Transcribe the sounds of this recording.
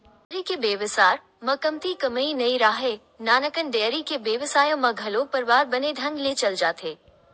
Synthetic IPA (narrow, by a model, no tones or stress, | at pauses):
ɾikebeːʋɪsaːɾ | mɐkəmt̪ikɐməinɐiɾaːɦe | naːnəkənɖɛːɾikebeːʋɪsaːjõmɐ̃ɡʱɐlopɐɾʋaːɾbɐned̪ʱɐ̃ŋɡlet͡ʃɐld͡ʒaːt̪ʰeː